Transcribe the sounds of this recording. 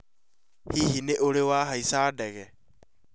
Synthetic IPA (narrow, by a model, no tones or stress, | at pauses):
hiːhineʔolewaːɦaisaːdɛɣɛ